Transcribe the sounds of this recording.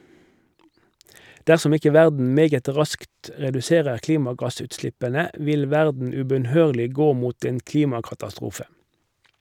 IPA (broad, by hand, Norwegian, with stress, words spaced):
ˈdæʁsɔm ˈɪkə ˈʋæʁdn̩ ˈmeːɡət ˈʁɑskt ə ʁɛdʉˈseːʁəʁ ˈkliːmɑˌɡɑsʉːtˌslɪpənə ˈʋɪl ˈʋæʁdn̩ ʉbœnˈhøːʁlɪ ˈɡoː ˈmuːt ˈeːn ˈkliːmɑkɑtɑˌstʁuːfə